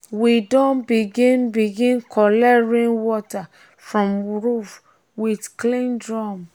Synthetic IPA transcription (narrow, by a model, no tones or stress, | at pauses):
widɔ̃nbiɡĩnbiɡĩnkʰɔlɛɹĩnwɔta | fɹɔ̃mɹuf | widklĩndɹɔm